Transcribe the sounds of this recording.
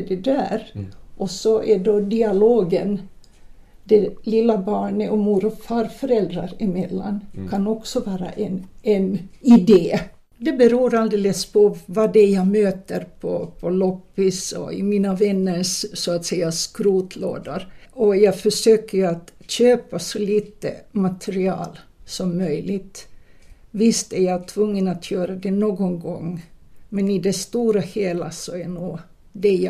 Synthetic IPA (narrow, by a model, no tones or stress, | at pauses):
ɖɛd̪æːɾʔɔsɔʔɛɖod̪ɪaloːɡən | d̪ɛlɪlːabɑːɳəʔɔmuːɾɔfɑːɾfɔɾɛld̪ɾaɾɪmɛlːa̰nkʰɑnɔksɔʋɑːɾa̰ʔɛnɛnɪd̪eː | d̪ɛbɛɾuːɾɑld̪eːləspʰɔvɑːd̪ɛjaɡmøːt̪əɾpʰɔ̰pʰɔlɔpːɪsɔ̰ɪ̰miːnaʋɛnːəʂsɔat̪sɛjːaskɾuːt̪ʰlo̰ːd̪aɾɔjɑːɡfœʂøːkəɾjat̪ɕøːpasɔliːt̪ə̰mat̪ʰɛɾɪɑ̰ːl | sɔmːœjlɪt̪ | vɪst̪æɾjat̪ʰvɵŋːənat̪ʰjøːɾad̪ɛnoːɡɔŋɡɔŋːmɛnɪd̪ɛst̪uːɾaheːlasɔæɳuː | d̪ɛj